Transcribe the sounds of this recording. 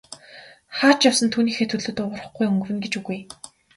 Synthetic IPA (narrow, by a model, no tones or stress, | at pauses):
χaːt͡ɕjawsə̆nt̪ʰuːniːxeːt̪ʰɵɮɵ̆t̪ʊwə̆rə̆χɡujɵŋɡɵ̆wɘ̆nɡet͡ɕuɣuj